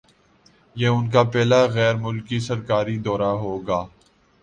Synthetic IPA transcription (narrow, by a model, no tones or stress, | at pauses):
jeːʊnk̬apɛːlaɣɛːɾmʊlkisɐɾkaːɾid̪ɔːɾaɦoːɡaː